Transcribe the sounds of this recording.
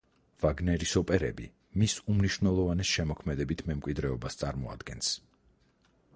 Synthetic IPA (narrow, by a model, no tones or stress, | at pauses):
v̥aɡnɛɾisɔpʼɛɾɛ̰bi | misumniʃwnɛlˠɔvanɛsʃɛmɔkʰmɛd̪ɛbit̪ʰmɛmkʼwid̪ɾɛɔbast̪sʼaɾmɔa̰d̪̥ɡɛns